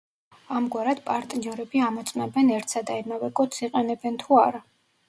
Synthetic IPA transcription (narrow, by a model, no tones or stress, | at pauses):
amɡwaɾad̪̥pʼaɾt̪ʼniɔɾɛbiamɔt̪sʼwnɛbɛnɛɾt̪sad̪aimavɛkʼɔt̪siqʼɛnɛbɛnt̪ʰuaɾa